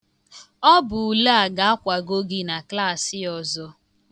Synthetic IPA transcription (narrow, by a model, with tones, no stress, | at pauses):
ɔ˦bʊ˨u˨la˦a˨ɡa˨a˦kʷa˨ɡo˦ɡi˦na˨kla˦˨sɪ˦ɔ˨zɔ˦